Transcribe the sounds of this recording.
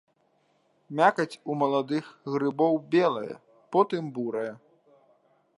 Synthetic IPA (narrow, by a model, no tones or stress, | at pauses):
mʲakɐt͡sʲumɐlˠad̪ɨxɣɾɨbɔwbʲɛlˠɐjɐ̰ | pɔt̪ɨmbuɾɐjɐ